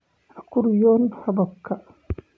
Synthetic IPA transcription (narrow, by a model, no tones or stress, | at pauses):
akuɾjɔnhabakʰːa